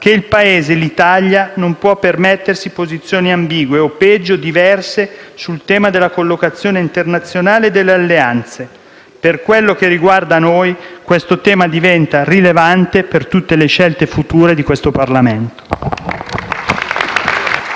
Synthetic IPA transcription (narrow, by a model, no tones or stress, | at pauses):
k̟eilpaeːzelit̪aʎːjanompwɔpːermet̪ːersipozit̪sːjoːniambiːɡweopːɛd͡ʒːod̪ivɛrsesult̪ɛːmad̪elːakolːokat̪sːjoːneint̪ernat̪sːjonaːleːd̪ːelːealːeant̪se | perkwelːok̟erːiɡward̪anojkwest̪ot̪ɛːmad̪ivɛnt̪arilevant̪epert̪ut̪ːeleʃɛlt̪efut̪uːɾed̪ikwest̪oparlament̪o̥